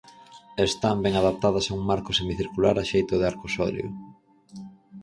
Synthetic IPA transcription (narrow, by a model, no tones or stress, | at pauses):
est̪ambɛŋaðap̚t̪aðɐsauŋmaɾkosemiθiɾkulaɾaʃejt̪ʊðeaɾkosɔ̰ljo̰